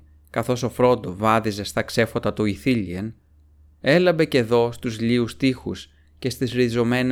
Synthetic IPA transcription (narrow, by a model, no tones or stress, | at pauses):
kɐθo̞so̞fɾo̞nd̪ovɐðize̞st̪ɐkse̞fo̞t̪ɐt̪uiθiʎien | e̞lɐmbe̞ce̞ðo̞st̪uzʎiust̪ixṵs | ce̞st̪izɾizo̞me̞n